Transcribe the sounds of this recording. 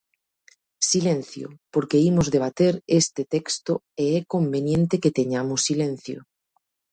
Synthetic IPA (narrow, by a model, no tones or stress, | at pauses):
silẽn̟θjo̰poɾkeimozðeβ̞at̪eɾest̪et̪ekst̪o | eɛkombenjẽnt̪eket̪eɲamosːilẽn̟θjo̰